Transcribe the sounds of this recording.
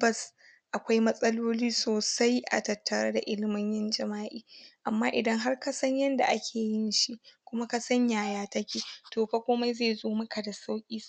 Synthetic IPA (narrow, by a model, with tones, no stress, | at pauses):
bɐ˦˨s | ʔa˨kʷa˦jmɐ˦sʼɐ˦loː˦liː˦soː˨sa˦jʔa̰˨tɐ˨tʰːɐ˨ɽa˦da˨ʔɪ˦lɪ˦mɪ˦ɲjɐ˦nd͡ʒɐ˨maː˦ʔiː˦ʔa˨mːaː˦ʔɪ˨dɐ˦ŋɦa˦rka˦sɐ˦ɲjɐ˦nda̰˨ʔa˦kʲʰeː˨jɪ˦nʃi˦ʔkʷʊ˦ma˦ka˦sɐ˦ɲjaː˨jaː˦tɐ˦kʲiː˦toː˨ɸa˦kʷoː˦ma˦jze˦˨zoː˦mɐ˦ka˨da˨sa˦wkʲʼiː˦